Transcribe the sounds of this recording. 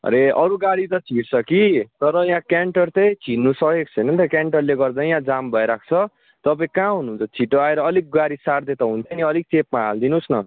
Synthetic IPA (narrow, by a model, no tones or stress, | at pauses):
ɾeʌɾuɡaɽit̪ʌt͡sʰiʈt͡sʰʌkit̪ʌɾʌjãkaɳʈʌrt̪ʌjt͡sʰinːusʌɦek̚t͡sʰʌjnʌnt̪ʌkaɳʈʌrleɡʌrd̪ajãd͡zambʱʌeɾak̚ʰt͡sʰʌ | t̪ʌpaĩkãɦunuunt͡sʰʌt͡sʰiʈoaeɾʌːlik̚ɡaɽisard̪et̪ʌɦunt͡sʰʌniʌlik̚t͡sepmaald̪inusnʌ